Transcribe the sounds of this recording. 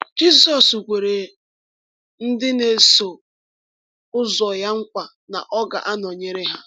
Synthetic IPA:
d͡ʒi˦sɔ˨su˨kʷe˨ɾe˨ | n̩˦dɪ˦ne˨so˨ | ʊ˦zɔ˨ja˦ŋ̩˦kʷa˨ | na̰˨ʔɔ˦ɡa̰˨ʔa˦nɔ˨ɲe˦ɾe˦ɦa˦

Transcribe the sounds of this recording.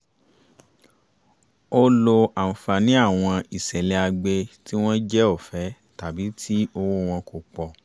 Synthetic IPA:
o˦lo˧a˨m̩˨fa˨nĩ˦a˦˨w̃ɔ̃˧i˨sɛ˨le˧a˧ɡ͡be˧ti˦w̃ɔ̃˦d͡ʒɛ˦o˦˨fɛ˨˦ | ta˨bi˨˦tʰi˦o˧wo˦w̃ɔ̃˧ko˨k͡pɔ˨

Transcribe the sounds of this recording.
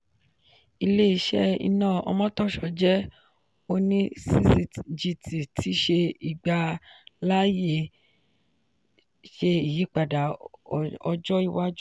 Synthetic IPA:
i˧le˦i˦˧˦ʃɛ˦ḭ˧nãː˦˨ɔ̰˧mɔ̃˦tɔ˦˨ʃɔ˧˦d͡ʒɛ˦ | o˧nĩ˦si˦si˧d͡ʒi˧tʰi˨tʰi˨˦ʃe˧i˨ɡ͡ba˧la˦je˦˨ | ʃe˧i˨ji˨˦k͡pa˨da˨ | ɔ˧d͡ʒɔ˦i˧wa˦d͡ʒu˦

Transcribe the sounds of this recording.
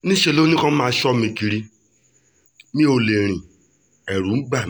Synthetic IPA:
ni˦ʃe˨lo˦ni˦kɔ˦m̩˦ma˨˦ʃɔ˦m˦e˨ki˨ɾi˦ | mi˦o˨le˨ɾ̃i˨ | e˨ɾu˨m̩˦ɡ͡ba˦˨

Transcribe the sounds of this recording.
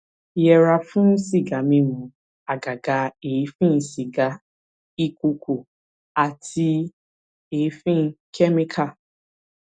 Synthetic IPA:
jɛ˨ɾa˨fʊ̃˦n̩˦si˦ɡa˨mĩ˧mʊ̃˨ | a˨ɡa˨ɡa˨˦e˨˦fĩ˦n̩˨si˨ɡa˨ | i˦kʷu˧kʰʷu˨ | a˨tʰi˧ | e˨˦fĩ˦n̩˦kʰɛ˦mi˦kʰa˦˨

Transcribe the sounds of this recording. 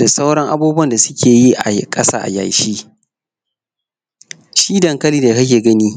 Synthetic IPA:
da˨sa˦wɽɐ˦ŋʔa˦buː˦bu˦ɐ˦˨nda˨sʊ˦kʲʰeː˨ji˦ʔa̰˨˦kʼɐ˦sa̰ː˦ʔa̰˨ja̰˨jʃiː˦ | ʃiː˦dɐ˨ŋkɐ˦liː˦da˨kɐ˦k̬ʲeː˨ɡɐ˦niː˦

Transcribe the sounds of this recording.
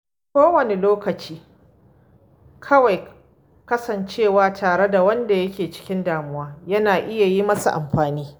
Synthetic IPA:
kʷoː˦wɐ˨ne˨loː˦kɐ˨t͡ʃiː˦ | kʰɐ˦wa˨j | kɐ˦sɐ˨nt͡ʃeː˦˨waː˨tʰaː˨ɽe˦da˨wɐ˦nda˨jɐ˦kʲeː˨t͡ʃɪ̥˦kʲɪ˦ndaː˨mʊ˦waː˦jɐ˦naː˨ʔɪ˦ja˨ji˦mɐ˦sa̰˨ʔa̰˨mɸaː˨niː˦

